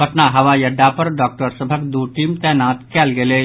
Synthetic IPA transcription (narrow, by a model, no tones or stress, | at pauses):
bɐʈnaɦɐʋajɐɖːapɐɾɖɔːk̚ʈəɾsəbʱəkd̪uːʈiːmt̪ɛːnaːt̪kɛːlɡeleː